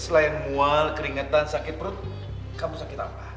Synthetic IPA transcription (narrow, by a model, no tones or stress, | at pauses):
səlaɪnmualkəɾiŋat̪ansakɪt̪̚pɾʊt̪̚ | kamusakɪt̪a̰pah